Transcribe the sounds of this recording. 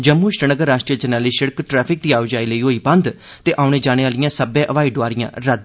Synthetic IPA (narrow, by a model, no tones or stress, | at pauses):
d͡ʒəmːuːʃɾənəɡəɾːaːʃʈɾijəd͡ʒənaːliːʃəɽkʈɾɛːpʰɪk̚d̪iːaːʋd͡ʒaːiləiːɦoːiːbə̃nd̪ | t̪eːʔaːʊñeːd͡ʒaːñeːaːlɪjãːsəbẽːʔəʋaːiɖʋaːɾɪjã̰ːɾəd̪̚